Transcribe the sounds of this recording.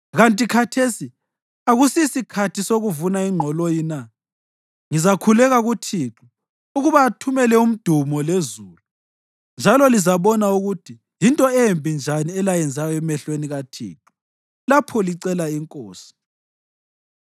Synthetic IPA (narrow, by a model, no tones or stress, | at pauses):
ɣantʼikʰatʰesi | aɣusisikʰatʰisoɣuvunaiŋ͡ǃʱɔlojina | ŋizakʰulɛɣaɣutʰiǁu | uɣuβaːtʰumɛlɛum̩d̥ʱumɔlezuːlu | nd͡ʒʱalɔlizaβɔnauɣutʰi | jintʼɔempʼind͡ʒʱaniɛlajɛnd͡zʱajɔɛmɛɬweniɣatʰḭːǁu̥ | lapʰɔliǀɛlaiŋkʼoːsi̥